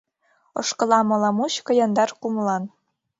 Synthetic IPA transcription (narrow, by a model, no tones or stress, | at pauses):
o̰ʃkɤ̆lɑmɤ̆lɑmuɕkɤ̆jɑnd̪ɑrkumlɑn